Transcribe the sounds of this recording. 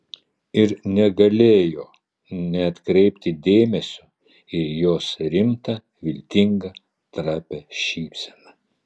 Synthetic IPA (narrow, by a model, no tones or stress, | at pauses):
ɪɾnʲɛɡɐlʲeːjoː | nʲɛɐt̪kɾʲɛɪpʲt̪ʲɪd̪ʲeːmʲɛsʲʊ | ɪjoːsɾʲɪmt̪ɐ | ʋʲɪlʲt̪ʲɪŋɡɐ | t̪ɾɑːpʲɛʃʲiːpʲsʲɛnɐ